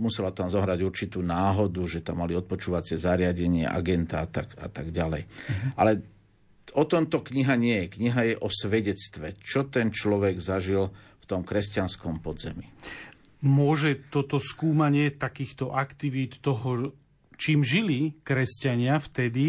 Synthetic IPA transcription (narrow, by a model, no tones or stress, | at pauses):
musɛlat̪amzɔɦɾaɟuɾt͡ʃit̪uːnaːɦɔd̪uʒɛt̪amːaliɔt̪̚pɔt͡ʃuːʋat͡sɪɛzaɾɪaɟɛɲɪɛ̰ʔa̰ɡɛnt̪aat̪aka̰t̪aɡɟalɛjʔa̰lɛ | ɔt̪ɔmt̪ɔkɲiɦaɲɪɛjɛkɲiɦajɛʔɔsʋɛɟɛt͡st̪ʋɛt͡ʃɔt̪ɛnt͡ʃlɔʋɛɡzaʒil | ft̪ɔmkɾɛscanskɔmpɔd̪zɛmi | mʊɔʒɛt̪ɔt̪ɔskuːmaɲɪɛt̪akiːxt̪ɔʔakt̪iʋiːt̪ːɔɦɔ | t͡ʃiːmʒilikɾɛscaɲɪaft̪ɛd̪i